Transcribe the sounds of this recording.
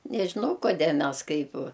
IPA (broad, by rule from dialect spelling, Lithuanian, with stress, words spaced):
nʲɛʒʲɪˈnɐʊ koːˈdʲeː ˈmʲɛs ˈkɐɪp